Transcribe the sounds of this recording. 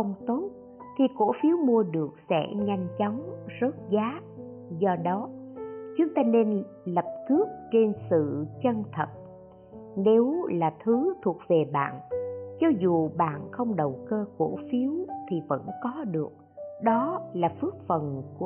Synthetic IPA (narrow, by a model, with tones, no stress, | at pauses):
ə˧wŋ͡mt̪o˦˥t̚ | t̪ʰi˨˩ko˧˩fi˨˦əwmu˧əɗɨ˨˩ək̚sɛ̰˧˥ɲa˧jŋ̟t͡ɕɔ˨˦wŋ͡mzə˦˥t̚zaː˨˦ | zɔ˧ɗɔ˨˦t͡ɕʊ˨˦ŋ͡mt̪aː˧ne˧n | lə˨˩p̚k̪ɨ˦˥ək̚t͡ɕe˧nsɨ̰˧˨t͡ɕə˧nt̪ʰə˨˩t̚ | ne˨˦wlaː˨˩t̪ʰɨ˨˦t̪ʰu˨˩ək̚ve˨˩ɓa̰ː˧˨nt͡ɕɔ˧zu˨˩ɓa̰ː˧˨nxə˧wŋ͡mɗə˨˩wkəː˧ko˧˩fi˨˦wt̪ʰi˨˩və̰˧˥nkɔ˨˦ɗɨ˨˩ək̚ɗɔ˨˦laː˨˩fɨ˦˥ək̚fə˨˩nku˧˩